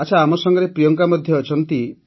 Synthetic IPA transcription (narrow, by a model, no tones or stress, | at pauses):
at͡ʃʰaamɔsɔŋɡɔɾepɾijɔŋkamɔd̪ʱjɔːt͡ʃʰɔnt̪i